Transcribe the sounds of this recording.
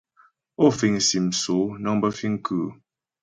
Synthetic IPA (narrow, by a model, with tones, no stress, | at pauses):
o˦˨fi˨ŋ˨si˨m̩˨so˨˦nɔ˦ŋbə˦fi˦ŋ̩˦kʰʉ˦˨